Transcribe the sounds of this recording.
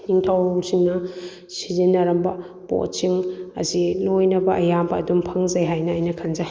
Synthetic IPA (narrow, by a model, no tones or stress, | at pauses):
niŋtʰawsiŋnɐ | sizinɐɾɐmbɐ | po̰t͡ʃiŋɐ̰zilojnɐbɐʔɐjambɐːdumpʰɐŋzajɦajnɐːjnɐkʰanzaj